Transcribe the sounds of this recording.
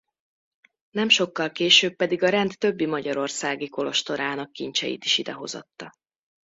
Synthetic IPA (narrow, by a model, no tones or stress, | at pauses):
nɛmʃo̞kːɒlkeːʃøːpːɛd̪iɡɒɾɛnt̪ːø̞bːimɒɟɒɾo̞rsaːɡiko̞lo̞ʃt̪o̞ɾaːnɒkːint͡ʃɛ̰jḭt̪i̥ʃid̪ɛɦo̞̰zo̞̰t̪ːɒ